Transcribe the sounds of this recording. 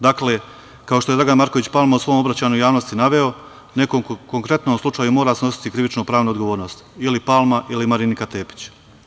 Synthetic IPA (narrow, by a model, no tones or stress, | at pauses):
d̪akle | kao̞ʃt̪ojd̪ɾaɡanmaɾko̞ʋit͡ɕpalˠmausʋo̞ːmo̞bɾat͡ɕaːɲujaːʋno̞st̪inaʋe̞o̞ | ne̞ko̞mko̞ŋkɾe̞t̪nomslˠut͡ʃaːjumo̞ːɾasno̞si̥t̪ikɾiʋit͡ʃnupɾaːʋnuod̪ɡoʋoːɾno̞ːst̪ilipalˠmaʔilimaɾinikat̪e̞ːpi̥t͡ɕ